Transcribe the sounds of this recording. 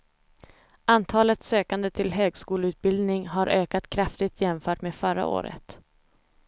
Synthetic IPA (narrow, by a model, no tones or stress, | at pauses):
ʔant̪ʰɑːlət̪søːkand̪ət̪ʰɪlɦøːɡskuːləʉt̪̚bɪld̪nɪŋɦaɾʔøːkat̪kʰɾaft̪ɪɡ̚t̪ʰjɛmfœːʈmeːfœɾa̰ʔo̰ːɾə̰t̪